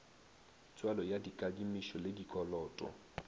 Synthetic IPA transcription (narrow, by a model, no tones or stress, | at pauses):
t͡sʼwalɔjadikʼadimiʃɔlɪdikʼɔlɔːtʼɔ̰